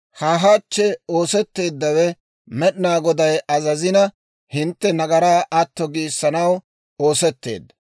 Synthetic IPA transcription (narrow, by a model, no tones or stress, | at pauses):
haːɦat͡ʃːɛo̞ːsɛt̪ːe̞ːd̪ːɐwɛ | mɛɗɪnaːɡɔd̪ɐjɐzɐzɪnɐ | hɪnt̪ːɛnɐɡɐɾaːʔɐt̪ːɔɡiːsːɐnɐw | o̞ːsɛt̪ːḛːd̪ːɐ